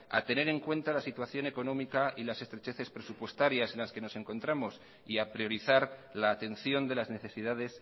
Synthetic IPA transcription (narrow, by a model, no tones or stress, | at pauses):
a̰t̪e̞ne̞ɾe̞ŋkwe̞nt̪alasit̪waθjo̞ne̞ko̞nõ̞mikaʔilase̞st̪ɾet͡ʃe̞θe̞spɾe̞supwe̞st̪aɾjase̞nlaske̞no̞se̞ŋko̞nt̪ɾamo̞s | iapɾio̞ɾiθaɾlaːt̪e̞n̟θjo̞nd̪e̞lazne̞θe̞siðað̞e̞s